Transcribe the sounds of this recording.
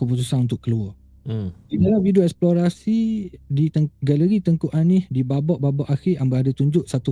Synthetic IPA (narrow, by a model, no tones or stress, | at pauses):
kəp̬ut̪usanunt̪̬ʊʔkəlua | sinalavidioɛksploɾasidit̪əŋɡaləɾit̪əŋkuʔanɪhdibabɔʔbabɔʔaxɪʔambaadət̪uɲd͡ʒʊʔsat̪u